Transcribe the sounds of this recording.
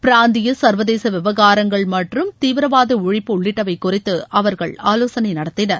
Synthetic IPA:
pɪɾaːnd̪ɪjɐsɐɾʋɐðeːsɐʋɪʋɐɣaːɾɐŋɡɐɭmɐʈrɯmt̪iːʋɪɾɐʋaːðɐʊɻɪpːɯʊɭːɪʈːɐʋɐɪkːʊrɪt̪ːɯɐʋɐɾɣɐɭaːloːsɐnɐɪnɐɽɐt̪ːɪnɐɾ

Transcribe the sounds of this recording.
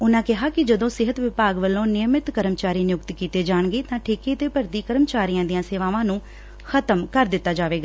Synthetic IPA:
ʊnãːkɪɦaːkɪd͡ʒəd̪õːsɪɦət̪ʋɪpaːɡʋəlːõːnɪjəmɪt̪kəɾəmt͡ʃaːɾiːnɪjʊkt̪kiːt̪eːd͡ʒaːɳ̃ɡeːt̪ãːʈʰeːkeːt̪eːpəɾt̪iːkəɾəmət͡ʃaːɾijãːd̪ɪjãːseːʋaːʋãːnũː | xʰət̪əmkəɾd̪ɪt̪ːaːd͡ʒaːʋeːɡaː

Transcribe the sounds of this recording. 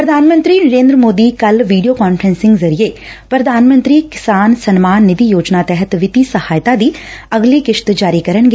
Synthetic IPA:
pɾəd̪ʱaːnmə̃nt̪ɾiːnəɾẽːnd̪ɾəmoːd̪iːkəlʋiːɖijoːkaːnfʰɾɛ̃nsɪ̃ŋɡzəɾie | pɾəd̪ʱaːnmə̃nt̪ɾiːkɪsaːnsənmaːnːɪd̪ijoːd͡ʒnat̪ɛɦət̪ʋɪt̪iːsəhaːjt̪aːd̪iːɐɡliːkɪʃt̪d͡ʒaːɾiːkəɾənɡeː

